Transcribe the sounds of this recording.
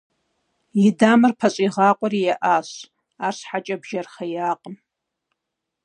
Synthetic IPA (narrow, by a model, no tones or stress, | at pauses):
jidaːmɨrpʰɐɕʼiʁaːqʷʼɔɾijaʔaːɕ | aːrsħat͡ʃʼɐbʒɐrχɐjaːqʼəm